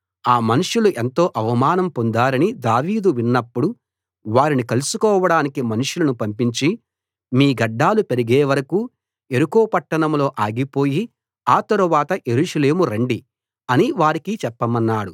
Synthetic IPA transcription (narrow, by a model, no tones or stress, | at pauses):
aːmɐnuʂuluʔent̪o̞ːʔɐʋɐmaːnɐmpo̞nd̪aːɾɐnid̪aːʋiːd̪uʋinːɐpːuɽu | ʋaːɾinikɐlusukɔːʋɐɽaːnikimɐnuʂulɐnupɐmpiɲt͡ʃi | miːɡɐɖːaːlupe̞ɾiɡeːʋɐɾɐkuː | e̞ɾukoːpɐʈːɐɳɐmlo̞ːʔaːɡipo̞ːji | aːt̪ɐɾuʋaːt̪ɐʔje̞ɾuːʂɐle̞ːmuɾeɳɖi | ɐniʋaːɾikit͡ʃɛpːɐmɐnːaːɽu